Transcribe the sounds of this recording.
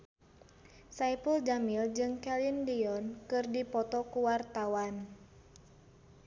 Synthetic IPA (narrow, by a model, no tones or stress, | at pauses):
saipuld͡ʒamild͡ʒɨŋkɛlindiɔnkɨrdipɔt̪ɔkuwart̪awan